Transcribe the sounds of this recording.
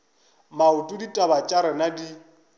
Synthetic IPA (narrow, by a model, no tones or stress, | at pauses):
mautʼuditʼabat͡ʃʼaɾɪnadi